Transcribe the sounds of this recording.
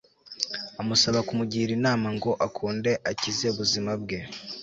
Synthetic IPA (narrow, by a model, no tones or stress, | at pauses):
amusaβakumuɟiːɾinaːmaŋɡo̞ʔakʰuːnde̞ʔacizeuβuzimab̚ɡe̞